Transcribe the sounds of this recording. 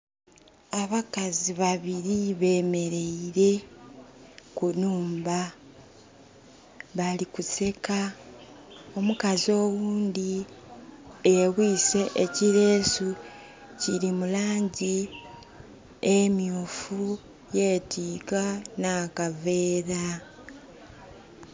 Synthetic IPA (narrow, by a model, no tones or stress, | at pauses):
aβakaziβaβiɾiβe̞ːme̞ɾe̞iɾe̞ | kunuːmba | βalikuse̞ka | o̞mukazo̞ːwuːnd̪i | eβwiːse̞ʔeciɾe̞ːsu | ciɾimulaːɲɟi | emjuːfu | je̞ːtʰiːkanakave̞ːɾa